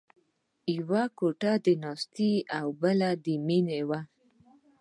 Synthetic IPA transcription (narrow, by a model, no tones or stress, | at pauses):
iwakoʈad̪ənɑst̪iawbəlad̪əminewa